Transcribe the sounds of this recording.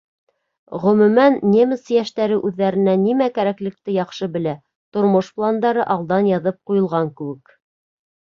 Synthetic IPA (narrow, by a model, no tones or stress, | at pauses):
ʁɵ̆mʉ̆mænːʲemʲɘsjæʃt̪æɾɘʔʉðːæɾɘ̆nænimækæɾæklɘ̆k̚t̪ɘjɑχʃɤbɘ̆læ | t̪ŏɾmoʃplˠand̪ɑɾɤʔɑlˠd̪ɑnjɑðɤp̚qujɤ̆lˠʁɑŋkɘ̆wɘk